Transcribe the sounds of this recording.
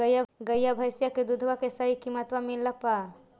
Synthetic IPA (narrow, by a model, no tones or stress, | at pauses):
əjaɡəjːabʱəjsjaked̪ud̪ʱʋakesəɦikimət̪ʋamilːəpa